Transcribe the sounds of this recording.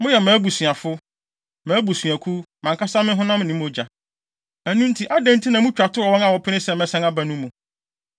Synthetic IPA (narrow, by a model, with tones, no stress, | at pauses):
mʊ̃˦jɛ˨mãː˨˦bu˨sɥ̃a˨fʊ˦ | mãː˨˦bu˨sɥæ˨kʰu˦mã˨ŋka˦sa˦mɪ̃˦ɦʊ̃˦nã˦m̃˦nɪ̃˦m˦ʊ˨˦d͡ʑa˨ | æ˨nũ˦n˦tʰi˨ʔa˦dɛ̃˦n˦tʰi˦nã˨mũ˦t͡ɕᶣa˨tʊ˦ɔ˨wɔ̃˦na˨wɔ˨pʰɪ˦nɪ̃˦sɛ˨mɛ̃˦sɛ̃˦na˦bæ˨nũ˦mũ˨